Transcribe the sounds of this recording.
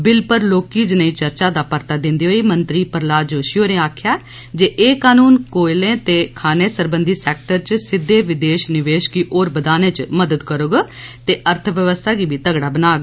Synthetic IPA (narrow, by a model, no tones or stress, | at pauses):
bɪlpəɾloːkiːd͡ʒnəĩːt͡ʃəɾt͡ʃaːd̪aːpəɾt̪aːd̪ɪ̃nd̪iːɦoːiːmənt̪ɾiːpəɾlaːd͡ʒoːʃjoːneːaːkʰjaː | d͡ʒeːʔeːkaːnuːnkoːɪlẽːt̪eːkʰaːneːsəɾbənd̪iːsɛːk̚ʈəɾt͡ʃsɪd̪ːeːʋɪd̪eːʃnɪʋeːʃkiːʔoːɾbəd̪aːnẽːt͡ʃməd̪əd̪kəɾoːɡaːt̪eːʔəɾt̪ʰʋjəʋəst̪ʰaːɡiːbʱiːt̪əɡɽaːbənaːɡa